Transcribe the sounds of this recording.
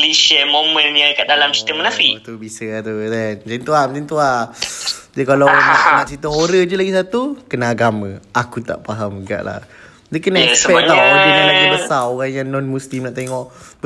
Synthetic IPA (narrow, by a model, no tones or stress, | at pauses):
lisiəmomə̃njakaʔdalamsi̥t̪əməlafit̪ubisəat̪udɛnd͡ʒint̪uamət̪int̪ua | d͡ʒəkalaaanãʔt͡ʃit̪əɦoɾəd͡ʒəlaɡis̬at̪ukənaːɡamə̃akut̪a̰ʔpaɦamɡa̰ʔla̰ | d͡ʒəkənaɛəɛaaədənãlaɡibəsaoɣaŋjaŋnɔnmũslimnaʔt̪eŋɔʔ